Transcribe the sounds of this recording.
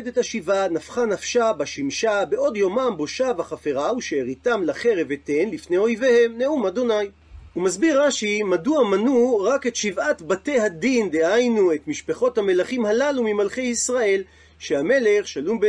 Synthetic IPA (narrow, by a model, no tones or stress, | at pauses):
d̪ethaʃivanafχanafʃabaʃimʃabeʔo̞djo̞mambo̞ʃavaχafeʁauʃeːʁitamlaχe̞ʁevetenlifne̞jo̞jvehe̞mne̞umad̪o̞naj | umazbiʁːaʃimaduamanuʁake̞tʃivatbate̞jhadind̪ehajnue̞tmiʃpeχo̞thame̞laχimhalalumimalχe̞jisʁae̞l | ʃehame̞le̞χʃalumb